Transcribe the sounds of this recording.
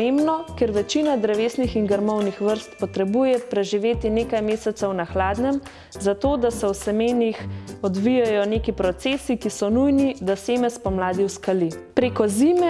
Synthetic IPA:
embnɔkɛɾʋɛt͡ʃinad̪ɾɛʋeːsnixiŋɡəɾmɔwnixʋəɾst̪pɔt̪ɾɛbujɛpɾɛʒiʋeːt̪ineːkajmeːsɛt̪səwnaxlaːd̪nɛm | zat̪oːd̪asɛwsɛmenixɔd̪ʋijajɔneːkipɾɔt̪seːsikisɔnujnid̪aseːmɛspɔmlaːd̪iwskalipɾeːkɔziːmɛ

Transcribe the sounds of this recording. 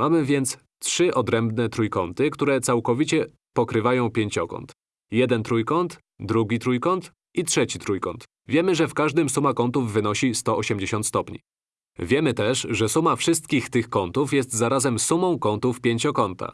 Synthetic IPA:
mamɘvʲjɛnt̪s | tʂɘʔɔd̪ɾɛmbnɛt̪ɾujkɔnt̪ɘkt̪uɾɛt̪sawkɔvʲit͡ɕɛ | pɔkɾɘvajɔ̃w̃pʲjeɲt͡ɕɔkɔ̰nt̪ | jɛd̪ɛnt̪ɾujkɔnt̪ | d̪ɾuɡʲit̪ɾujkɔnt̪ | ʔitʂɛt͡ɕit̪ɾujkɔ̰nt̪ | vʲjɛmɘʐɛfkaʐd̪ɘmsumakɔnt̪uvːɘnɔɕist̪ɔɔɕɛmd͡ʑeɕɔ̃nt̪st̪ɔpɲḭ | vʲjɛmɘt̪ɛʂʐɛsumafʂɘst̪kʲixt̪ɘxkɔnt̪ufjɛst̪zaɾazɛmsumɔ̃w̃kɔnt̪ufpʲjeɲt͡ɕɔkɔnt̪ʰa̰

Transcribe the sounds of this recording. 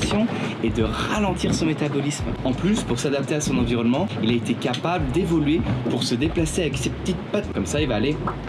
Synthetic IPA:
sjɔ̃ed̪əʁalɑ̃t̪iʁsɔ̃met̪abɔlismɑ̃plyspuʁsad̪ap̚t̪easɔ̃nɑ̃viʁɔnmɑ̃ilaet̪ekapabld̪evɔlɥepuʁsəd̪eplaseavɛksepə̥t̪it̪̚pat̪kɔmsailvaːle

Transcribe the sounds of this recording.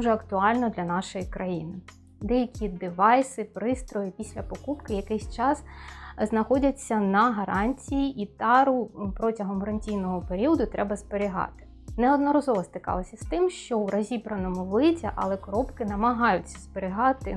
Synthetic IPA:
uʒɛɐkt̪ʊɑlʲnɔd̪lʲɐnɑʃɔjikɾɐjinɪ | d̪ɛjɐkʲid̪ɪʋɑjsɪpɾɪst̪ɾɔjɪpʲisʲlʲɐpɔkupkɪjɐkɪsʲt͡ʃɑsznɐxɔdʲɐt͡sʲːɐnɐɦɐɾɑnʲtʲijiʔit̪ɑɾʊpɾɔtʲɐɦɔmɾɐnʲtʲijnɔɦɔpeɾʲiɔd̪ʊt̪ɾɛbɐsbeɾʲiɦɑ̰t̪ɪ̥ | nɛɔd̪nɔɾɔzɔʋɔst̪ɪkɑ̰lˠɔsʲɐst̪ɪmʃt͡ʃɔwɾɐzʲibɾɐnɔmʊʋlˠɪtʲɐ̰ʔɐ̰lˠɛkɔɾɔpkɪnɐmɐɦɑjʊt͡sʲːɐ̥sbeɾʲɪɦɑt̪ɪ

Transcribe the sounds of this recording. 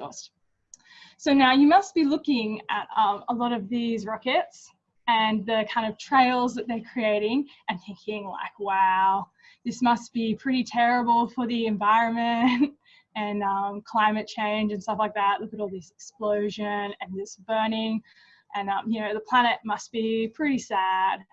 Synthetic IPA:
ɔ̰st | soʊnaʊjɨmʌst̚b̥ilʊkɪ̃ŋɨ̰ɾʌ̃məlɔɾʌvðizɹɑkɨts | ɨ̃nðɨkʰãɪ̃ndʌv̥tʰɹ̥eɪlˠzðɨt̪̚ðə˞kʰɹ̥ieɪɾɪ̃ŋ | ɨ̃nθɪ̃ŋkʰɪ̃ŋla̰ɪkwaʊ | ðɪsmʌst̚b̥ipʰɹ̥ɪɾitʰɛɹɨbl̩ˠfə˞ðiɨ̃ɱvaɪɹɨ̃nmɨ̃nt | ɨ̃nʌ̃mkʰl̥ãɪ̃mɨt̚t͡ʃʰẽɪ̃nd͡ʒɨ̃nstʌflaɪk̚ðæʔ̚ˡlʊkɨɾɔlˠðɪsɨksploʊʒɨ̃nɨ̃nðɪsb̥ɜ˞nɪ̃ŋ | ʔɨ̃nʌ̃mjɨnoʊðəpʰl̥æñɨt̚mʌst̚b̥ipʰɹ̥ɪɾisæd̥̚

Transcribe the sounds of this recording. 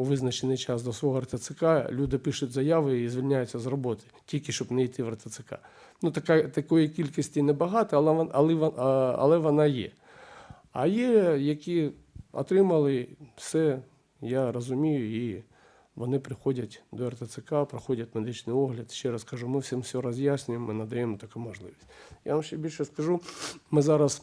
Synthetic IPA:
ʋɪznɐt͡ʃenɪjt͡ʃɑsd̪ɔsʋɔɦɔɐrt̪ɐt̪sɪkalʲud̪ɪpɪʃʊtʲzɐjaʋɪizʲʋʲilʲnʲajʊt͡sʲːɐzrɔbɔt̪ɪ | tʲilʲkʲɪʃt͡ʃɔbnɛijt̪ɪʋɐrt̪ɐt̪sɪka̰ | nut̪ɐkat̪ɐkɔjikʲilʲkisʲtʲinɛbɐɦɑt̪ɔɐlˠɪʋɐ̰lˠɛʋɔnɑjɛ̰ | ɐ̰jɛjɐkʲi | ɔ̰t̪ɾɪmɐlˠɪwsɛ | jaɾɔzʊmʲijʊi | ʋɔnɪpɾɪxɔdʲɐtʲd̪ɔert̪ɐt̪sɪkapɾɐxɔdʲɐt̚ʲmed̪ɪt͡ʃnɪjɔɦlʲɐd̪ʃʲt͡ʃɛɾɐskɐʒumɪwsʲɪmsʲɔɾɔzʲjasʲnʲʊjemːɪnɐd̪ɐjɛmɔt̪ɐkumɔʒlˠɪ̰ʋʲisʲtʲja̰ʋɐmʃt͡ʃɛbʲilʲʃɛskɐʒumɪzɑɾɐs

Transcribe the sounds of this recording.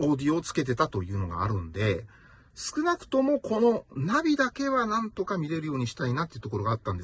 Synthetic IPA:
o̞ːd̪ʲio̞ːt͡sɨ̥ke̞t̪̬e̞t̪at̪o̞jɯ̟ːno̞̰ɡa̰ːɾɯ̟̃nd̪e̞̰ | sɨ̥kɯ̟nakɯ̟̥t̪o̞mo̞kʰo̞no̞nabʲid̪ake̞βanãnt̪o̞kamʲiɾe̞ɾɯ̟jo̞ːɲ̟iɕi̥t̪ainat̪eiɯ̟t̪oko̞ɾo̞ɡaːt̪ːãnd̪

